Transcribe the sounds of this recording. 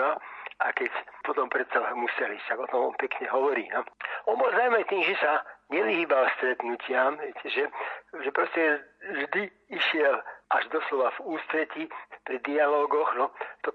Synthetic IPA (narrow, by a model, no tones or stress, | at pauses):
aakɛcpɔt̪ɔmpɾɛt̪t͡salɛmusɛliʃt̪aɡɔt̪ɔmɔ̰npɛkɲɛɦɔʋɔɾiːnɔɔnbɔlˠzaʊmat̪iːmʒɛsaɲɛʋiɦiːbalst̪ɾɛt̪nucɪamɦɛjcɛʒɛʒɛpɾɔscɛʒd̪i | iʃɪɛlʔaʒd̪ɔslɔʋavuːst̪ɾɛcipɾid̪ialɔːɡɔɣnɔt̪ɔ